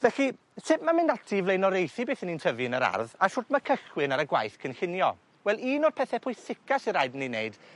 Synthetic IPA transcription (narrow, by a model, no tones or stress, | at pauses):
vɛɬi | sɪpmamɪndatʰivlejnɔɾejθibeːθənintʰəvinəɾa̰rðaʃʊtmakʰəɬwɪnaɾəɡwa̰jθkʰənɬɪnjɔ̰ | wɛlˠiːnoːd̚pʰɛθɛpʰʊːjsɪkʰasiɾajdənineɨd̥